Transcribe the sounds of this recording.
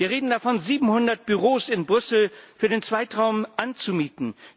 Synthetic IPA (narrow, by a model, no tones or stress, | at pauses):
viːɐʁ̞eːdn̩dafɔnziːbm̩hʊndɐt̚b̥yʁoːsɪnbʁʏsl̩fyːɐdeːnt͡sv̥aɪtʁ̥aʊmʔant͡sumiːtn̩